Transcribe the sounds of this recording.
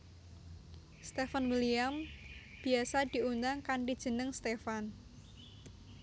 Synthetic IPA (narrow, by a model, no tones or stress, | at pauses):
st̪efanwiliamb̥i̤asad̪̥i̤und̪aŋkaɳʈid̥ʒ̥ə̤nəŋst̪efan